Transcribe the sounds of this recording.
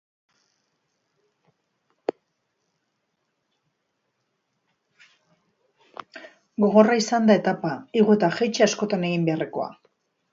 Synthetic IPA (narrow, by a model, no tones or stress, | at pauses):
ɡo̞ɣ̞o̞raisand̪ae̞t̪apaiɣue̞t̪axejt͡ʃeasko̞t̪ane̞ɣimbe̞areko̞a̰